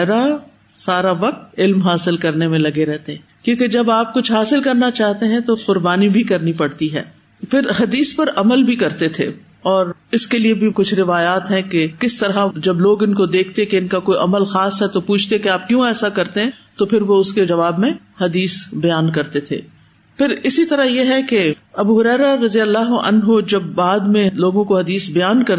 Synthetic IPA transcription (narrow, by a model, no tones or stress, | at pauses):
ɾa | saːɾaʋɐq̚t̪ɪlmɦaːsɪlkɐɾnemẽlɐɡeɾɛɦt̪eɦɛ̃ːkjõːked͡ʒɐbaːp̚kʊt͡ʃʰɦaːsɪlkɐɾnat͡ʃaːɦt̪eɦɛ̃t̪oqʊɾbaːnibʱikɐɾnipɐɽt̪iɦɛ̰ː | fɪɾɦɐd̪iːspɐɾɐməlbʱikɐɾt̪et̪ʰḛ | ɔːɾɪskeliebʱikʊt͡ʃʰɾɪʋaːjaːt̪ɦɛ̃kekɪst̪ɐɾad͡ʒɐbloːɡɪnkod̪eːkʰt̪ekeɪnkakoːiʔɐməlxaːsɦɛt̪opuːt͡ʃʰt̪ekeaːp̚kjõɛːsakɐɾt̪eɦɛ̃t̪opʰɪɾʋoʊsked͡ʒɐʋaːbmẽhɐd̪iːsbɐjaːnkɐɾt̪et̪ʰḛː | pɪɾɪsit̪ɐɾaɦjeɦɛkeɐbuɦʊɾɛːɾaɾɐzijəlːaːɦoʔɐ̰nɦod͡ʒɐbːaːd̪mẽloːɡõkoɦɐd̪iːsbɐjaːnkɐɾ